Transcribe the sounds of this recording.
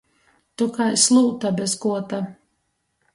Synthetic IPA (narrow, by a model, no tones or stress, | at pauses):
t̪ukajslˠuːt̪abʲɛskuɔt̪a